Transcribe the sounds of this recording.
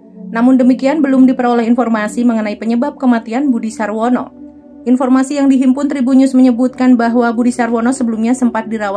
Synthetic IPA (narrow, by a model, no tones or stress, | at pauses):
namʊndəmikianbəlʊmdipəɾolɛɦinfɔrmasiməŋənaipəɲəbap̚kəmat̪ianbudisarwɔnɔ | ʔinfɔrmasijaŋdiɦimpʊnt̪ɾibuɲʊsməɲəbut̪̚kanbaɦwabudisarwɔnɔsəbəlumɲasəmpat̪̚diɾawa